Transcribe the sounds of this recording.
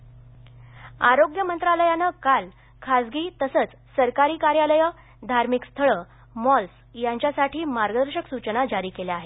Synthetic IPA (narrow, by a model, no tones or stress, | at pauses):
aɾoɡjəmənt̪ɾaləjanəkal | kʰad͡zɡiːt̪əsət͡s | səɾkaɾiːkaɾjaləjə | d̪ʱaɾmikst̪ʰəɭə | mɔls | jaɲt͡ɕjasaʈʰiːmaɾɡəd̪əɾɕəksut͡ɕənad͡ʑaɾiːkelaaɦe